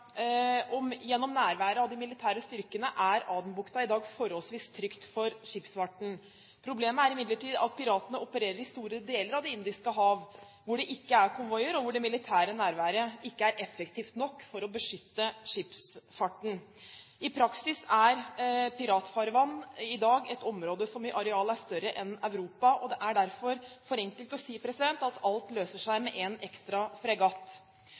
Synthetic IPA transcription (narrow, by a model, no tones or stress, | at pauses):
ɔmjɛnːɔmnæːɾʋæːɾəɑʋd̪ɪmɪlɪt̪ʰæːɾəst̪ʏɾkənəʔæɾɑːd̪nbʊkt̪ɑɪd̪ɑːɡfɔɾɔlsʋiːst̪ʰɾʏkt̪fɔɾʂɪpsfɑʈɳ̩ | pʰɾʊbleːməæɾɪmɪd̪ləʈiːd̪ɑ̰t̪̚pʰɪɾɑːt̪ənəɔpəɾeːɾəɾɪst̪uːɾəd̪eːləɾɑʋd̪ɪɪnd̪ɪskəɦɑːʋ | ʋʊɖɛʔɪkːəæɾkʰɔnʋɔjəɾɔʋʊɖɛmɪlɪt̪ʰæːɾənæːɾʋæːɾəɪkːəæɾʔɛfəkt̪ʰiːft̪nɔkːfɔɾɔbəʂʏt̪ːəʂɪpsfɑʈːɳ̩ | ɪpʰɾɑksɪsæɾpɪɾɑːt̪fɑɾʋɑnːɪd̪ɑːɡɛt̪ɔmɾoːd̪əsɔmɪʔɑɾɛɑːləæʂt̪œɾəʔɛnœʉɾuːpɑʔɔd̪ɛʔæɖæɾfɔɾfɔɾɛŋkəlt̪ɔsiːpʰɾɛsɪd̪ɛnt̪ɑt̪ʰɑlt̪løːsəʂæɪmɛʔɛnʔɛkst̪ɾɑfɾɛɡɑːt̪